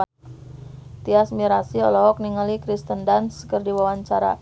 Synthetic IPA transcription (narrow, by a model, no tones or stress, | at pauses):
t̪iasmiɾasiɔlɔɦɔk̚niŋalikɾist̪əndanskərdiwawaɲt͡ʃaɾa̰